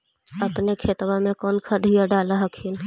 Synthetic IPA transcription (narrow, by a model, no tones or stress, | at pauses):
əpnekʰet̪wamẽkɔːnkʰad̪ʱijaɖaːlaɦəkʰin